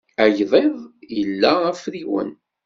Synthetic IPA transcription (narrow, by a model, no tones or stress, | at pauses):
æjðˤeðˤjəlːææfɾiwə̰n